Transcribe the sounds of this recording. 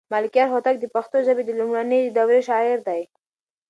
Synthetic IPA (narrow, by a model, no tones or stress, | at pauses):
malɪkijɑɾɦot̪ak̚d̪əpaxt̪ozabed̪əlumɽanid̪awɾeʃɑɪɾd̪aj